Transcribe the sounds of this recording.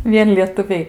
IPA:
ˈʋʲiɛn lʲiɛtʊˈʋʲɛɪ

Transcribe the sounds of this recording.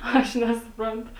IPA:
ˈɐʃ nʲɛsʊˈprɐntʊ

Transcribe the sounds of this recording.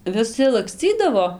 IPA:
ʋʲɪˈsʲɪ lˠɐkˈsʲt͡sʲiːdɐʋoː

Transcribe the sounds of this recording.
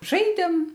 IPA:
ˈʒɐɪdʲeːm

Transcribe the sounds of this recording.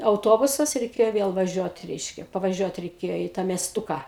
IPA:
ɐʊˈtoːbʊsɐs rʲɛɪˈkʲeːjoː ˈʋʲeːlˠ ʋɐˈʒʲuɔt ˈrʲɛɪʃʲkʲɛ pɐʋɐˈʒʲuɔt rʲɛɪˈkʲeːjoː iː tɑː mʲiɛsˈtʊkɑː

